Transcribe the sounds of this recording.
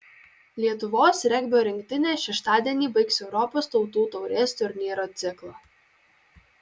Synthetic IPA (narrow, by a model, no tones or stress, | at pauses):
lʲiɛt̪ʊʋoːsɾʲɛɡʲbʲoːɾʲɪŋʲkt̪ʲɪnʲeːʃʲɛʃt̪ɑːd̪ʲiɛnʲiːbɐɪksɛʊɾɔpoːst̪ɒʊt̪uːt̪ɔʊɾʲeːst̪ʲʊɾʲnʲiːɾoːt̪sʲɪklˠoː